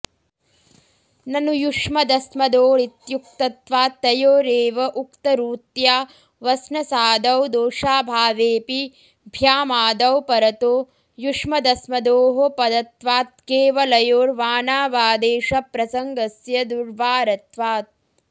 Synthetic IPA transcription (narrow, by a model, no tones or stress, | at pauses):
nɐnujuʂmɐd̪ɐsmɐd̪oːɭit̪juk̚t̪ɐt̪ʋaːt̪ːɐjoːɾeːʋɐʔukt̪ɐɾuːt̪jaː | ʋɐsnɐsaːd̪ɐwd̪oːʂaːbʱaːʋeːpi | bʱjaːmaːd̪ɐwpɐɾɐt̪oː | juʂmɐd̪ɐsmɐd̪oːɦopɐd̪ɐt̪ʋaːt̪̚keːʋɐlɐjoːɾʋaːnaːʋaːd̪eːʃɐpɾɐsɐŋɡɐsjɐd̪uɾʋaːɾɐt̪ʋaːt̪̚